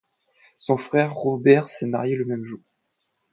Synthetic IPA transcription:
sɔ̃fχɛʁːobɛʁsɛma̰ʁjeləmɛmʒuːʁ

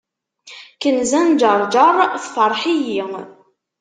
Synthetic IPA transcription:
kənzænd͡ʒəɾˤd͡ʒɑɾˤθfəɾˤħijiŋ

